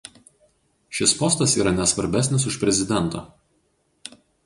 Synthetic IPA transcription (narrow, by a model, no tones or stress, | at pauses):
ʃʲɪspɔst̪ɐsiːɾɐnʲɛsʋɐɾʲbʲæsʲnʲɪs̬ʊʃpʲɾʲɛzʲɪd̪ʲɛnˑt̪o̰ː